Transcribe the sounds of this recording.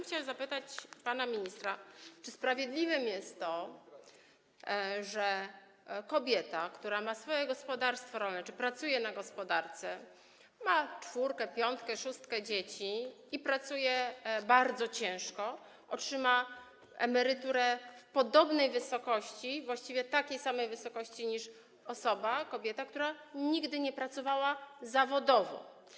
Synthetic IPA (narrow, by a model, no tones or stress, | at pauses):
mxt͡ɕawɛmzapɘt̪at͡ɕpanamʲiɲist̪ɾat͡ʂɘspɾavʲjed̪lʲivɘmjɛst̪ːɔ | ʐɛ | kɔbʲjɛt̪akt̪uɾamasfɔjɛɡɔspɔd̪aɾst̪fɔɾɔlnɛt͡ʂɘpɾat̪sujɛnaɡɔspɔd̪aɾt̪sɛ | mat͡ʂfuɾkɛpʲjɔnt̪kɛʂust̪kɛd͡ʑet͡ɕi | ipɾat̪sujɛbaɾd̪zɔt͡ɕɛ̃w̃ʂkɔ | ʔɔtʂɘma | ɛmɛɾɘt̪uɾɛfpɔd̪ɔbnɛjvɘsɔkɔɕt͡ɕivwaɕt͡ɕivʲjɛt̪akʲejsamɛjvɘsɔkɔɕt͡ɕiɲiʂ | ɔsɔbakɔbʲjɛt̪akt̪uɾaɲiɡd̪ɘɲɛpɾat̪sɔvawazavɔd̪ɔvɔ̰